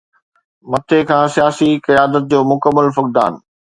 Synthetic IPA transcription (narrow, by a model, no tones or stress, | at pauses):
mɐt̪ʰekʰãːsijaːsikɐjaːd̪ət̪̚d͡ʑoːmʊkəmːəlfʊk̚d̪a̰ːn